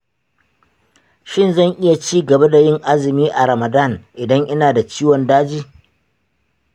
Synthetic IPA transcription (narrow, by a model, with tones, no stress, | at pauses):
ʃɪ˦nzɐ˦˨ŋʔɪ˦ja˨t͡ʃiː˦ɡɐ˨ba˦da˨jɪ˦ŋʔa˦zɪ˨miː˦ʔa˨ɾɐ˨ma˨da˦˨nʔɪ˨dɐ˦ŋʔɪ˦naː˨da˨t͡ʃiː˦wɔ˨ndaː˦d͡ʒiː˦